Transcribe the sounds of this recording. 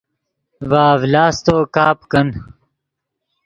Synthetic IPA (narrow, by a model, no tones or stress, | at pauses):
ʋaːvlaːst̪oːkaːpkɐn